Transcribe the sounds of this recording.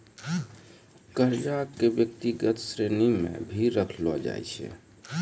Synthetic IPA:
kəɾd͡ʒakkːebjək̚t̪iɡət̪sɾenimḛbʱiɾəkʰlɔd͡ʒa̰jt͡ʃʰɛ̰

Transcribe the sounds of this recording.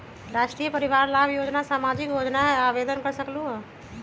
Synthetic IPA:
ɾaʃʈɾijəpəɾiʋaɾlabjod͡ʒnasaːmad͡ʒikjod͡ʒnaɦɛaʋed̪ənkəɾsəkluɦɔ

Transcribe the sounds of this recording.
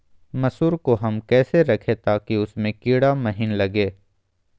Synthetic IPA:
mɐsuːɾkoɦɐmkɛːseɾɐkʰet̪aːkiʊsmẽkiːɽamɐɦɪnlɐɡeː

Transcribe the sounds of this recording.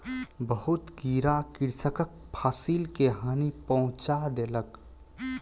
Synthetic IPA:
bəɦʊt̪kiːɾakɪɾsəkək̚pʰaːsilkeɦaːnipəɦʊ̃t͡ʃad̪eːlək

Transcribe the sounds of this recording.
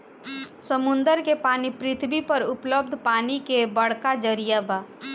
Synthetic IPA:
səmʊ̃nd̪əɾkepaːnipɾɪt̪ʰbipɐɾʊpləbd̪ʱpaːnikebɐɽ̤kad͡ʒəɾijabaː

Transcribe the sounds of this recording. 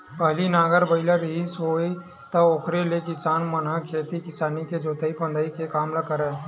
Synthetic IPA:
pɐɦlinaːɡəɾbəɪlaɾisɦoːi | t̪ɐoːkʰɾelekɪsaːnmənãkʰeːt̪ikɪsaːniked͡ʒoːt̪əipə̃nd̪aikekaːmlakəɾe

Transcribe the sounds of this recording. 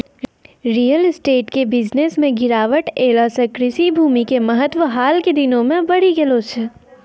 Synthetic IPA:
ɾiːjəlɪsʈeːʈkebɪd͡ʒnesmẽɡɪɾaːʋəʈeːlasəkɾɪsibʱuːmikemɐɦət̪wʋəɦaːlked̪ɪnõmẽbɐɽiɡelot͡ʃʰe

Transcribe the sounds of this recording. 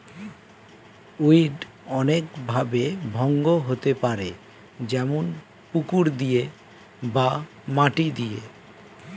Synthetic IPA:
uiɖ | ɔnekbʱabebʱɔŋɡoɦot̪epaɾe | d͡ʑɛmon | pukuɾd̪ije | ba | maʈid̪ije

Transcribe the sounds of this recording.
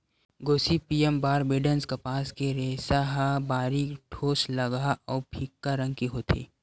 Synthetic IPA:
ɡoːsipiːembaːɾbeːɖənskɐpaːskeɾeːsaɦabaːɾikʈʰoːslɐɡaʔɔːpʰikːaɾə̃ŋɡkiɦoːt̪ʰḛː

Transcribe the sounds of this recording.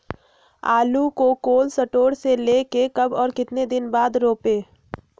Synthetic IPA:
aːlukokoːlsɐʈoːɽseleːkekɐbɔːɾkɪt̪ned̪ɪnbaːd̪ɾoːpeː

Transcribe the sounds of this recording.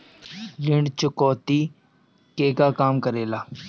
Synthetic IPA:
lɪɳɖt͡ʃəkɔːt̪iː | keːkaːkaːmkəɾeːlaː

